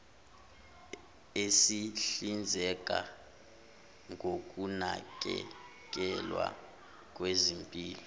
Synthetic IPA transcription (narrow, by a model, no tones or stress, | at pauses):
esiɬind͡zʱɛk̬ʼa | ŋʱok̬ʼunak̬ʼɛ | k̬ʼɛlwa̰ | k̬ʼwezimpʼiːlɔ